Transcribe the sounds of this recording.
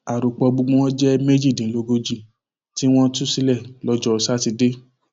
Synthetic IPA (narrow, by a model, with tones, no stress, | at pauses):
a˨ɾo˨k͡pɔ˧ɡ͡bu˧ɡ͡bũ˧wɔ̃˦d͡ʒɛ˦me˦d͡ʒi˦˨dĩ˨˦lo˧˦ɡo˧d͡ʒi˦˨ | ti˦w̃ɔ̃˦tu˦si˧˦lɛ˦˨lɔ˧d͡ʒɔ˧sa˦ti˧de˦